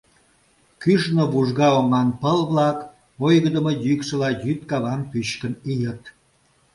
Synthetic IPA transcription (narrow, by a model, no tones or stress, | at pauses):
kyʃnoβuʒɣɑoŋɑnpəlβlɑk | ojɣəd̪əmojykʃə̆lɑjyt̪̚kɑβɑmpyɕkənijət̪